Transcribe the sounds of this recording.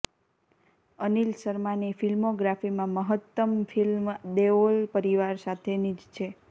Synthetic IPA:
ənilsəɾmanifilmoɡɾafimãməɦət̪ːəmfʰilmd̪eʋolpəɾiʋaɾsat̪ʰenid͡ʒt͡ʃʰe

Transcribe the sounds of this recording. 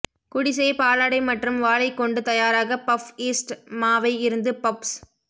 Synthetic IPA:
kʊɽɪs̬ɐjpaːlaːɽɐɪmɐʈrɯmʋaːlɐɪkːɔɳɖɯt̪ɐjaːɾaːɣɐpɐfiːsʈmaːʋɐɪɪɾɯnd̪ɯpɐps

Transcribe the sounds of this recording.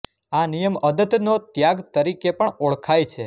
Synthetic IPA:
anijəməd̪ət̪not̪jaɡt̪əɾikepəɳoɭkʰajt͡ʃʰe

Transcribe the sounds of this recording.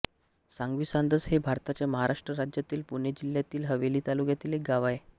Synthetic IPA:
saŋɡʋisand̪əsɦebʱaɾt̪at͡ɕjaməɦaɾʔaʂʈɾəɾad͡ʑjat̪iːlpuned͡ʑiljat̪iːlɦəʋeliːt̪alukjat̪iːlek̚ɡaʋae

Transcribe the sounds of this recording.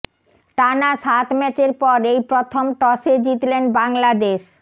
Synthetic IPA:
ʈanaʃat̪mɛt͡ɕeɾpɔɾejpɾot̪ʰomʈɔʃed͡ʑit̪lenbaŋlad̪eʃ

